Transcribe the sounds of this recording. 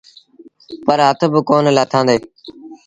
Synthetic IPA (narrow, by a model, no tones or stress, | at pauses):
pəɾɦət̪ʰbəkoːnlaːt̪ʰãːnd̪eː